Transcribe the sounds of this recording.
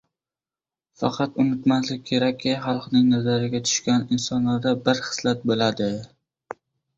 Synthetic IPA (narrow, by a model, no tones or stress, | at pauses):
fɑ̰qʰɑt̪ʊnɪt̪maslɪk̚ʲkʲʰe̞ɾakʲʰːɪχɑlˠqnɪŋnazaɾɪɡʲat̪ʰʊ̥ʃkʲanɪnsɒnlaɾd̪abɪɾχɨ̥slat̪̚bolad̪ɪ